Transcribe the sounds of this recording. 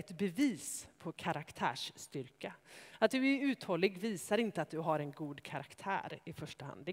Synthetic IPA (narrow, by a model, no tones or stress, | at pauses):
ɛt̪bɛviːspʰɔkʰaɾakt̪ʰæ̰ːʂːt̪ʏɾkaat̪̚d̪ɵæɾʉ̟ːt̪hɔlːɪɡviːsaɾɪnt̪əat̪̚d̪ɵɦaɾɛnɡuːd̪kʰaɾakt̪ʰæ̰ːɾɪfœʂʈəha̰nd̪